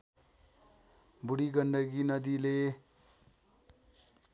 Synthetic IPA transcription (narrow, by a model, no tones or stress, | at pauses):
buɽiɡʌɳɖʌɡinʌd̪ile